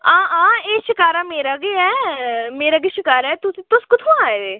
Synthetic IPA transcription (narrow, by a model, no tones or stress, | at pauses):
ãːãːeːʃɪkaːɾaːmeːɾaːɡeːɛːmeːɾaːɡeːʃɪkaːɾɛːt̪ʊsĩːt̪ʊskʊt̪ʰõːaːed̪eː